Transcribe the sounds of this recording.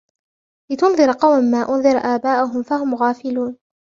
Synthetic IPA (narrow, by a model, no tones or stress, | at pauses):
lɪt̪ʊnðˤɨɾɑqɑwmanːaːʔʊnðˤɨɾʔaːbaːʔʊɦʊmfahʊmɣaːfɪluːn